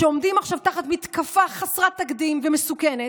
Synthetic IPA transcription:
eomdimaχʃavtaχatmit̪kafaχasʁat̪ːaɡdimvemesukenet

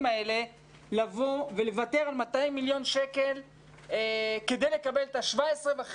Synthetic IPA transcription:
maele̞ | lavo̞velevate̞ʁalmat̪aimːiljo̞nʃeke̞l | ke̞d̪ejle̞kabe̞lt̪aʃvaesʁevaχ

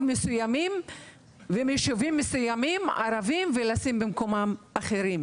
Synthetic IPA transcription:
dmesujamim | vemeʃuvimːesujamima̰ɾavimvelasimbemko̞mamʔaχe̞ɾim

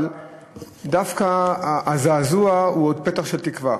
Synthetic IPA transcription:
l | d̪afkaːzaːzuauo̞d̪̚pet̪aχʃelt̪ikva

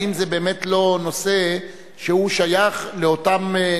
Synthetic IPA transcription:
imzebe̞ːmetlo̞no̞se | ʃehuʃajaχleotam

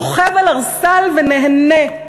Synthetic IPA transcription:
χevalaʁsalveneɦne

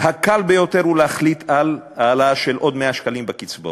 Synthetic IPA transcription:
hakalbejo̞t̪e̞ʁhuleaχlit̪ʰalhaːlaaʃe̞lʔo̞d̪meaʃkalimbekit͡sbo

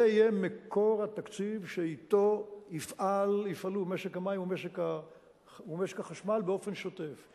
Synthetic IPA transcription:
eijemekoʁat̪akt͡sivʃeit̪o̞ifʔalifalumeʃekamaimumeʃeka | umeʃekaχaʃmalbeo̞fenʃo̞t̪e̞f

